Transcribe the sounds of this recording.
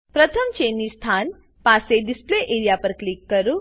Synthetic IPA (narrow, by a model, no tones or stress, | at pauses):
pɾət̪ʰəmt͡ʃenːist̪ʰan | paseɖispleʔeɾijapəɾklikːəɾũ